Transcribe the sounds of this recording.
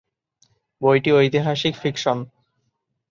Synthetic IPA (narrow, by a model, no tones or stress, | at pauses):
bojʈiojt̪iɦaʃikfikʃon